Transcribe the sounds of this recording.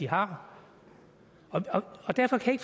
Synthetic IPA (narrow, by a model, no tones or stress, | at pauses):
iɦɑ̈ | ɒ̽ɒɒ̽d̥æɐfɒ̽kʰæjeɡ̥f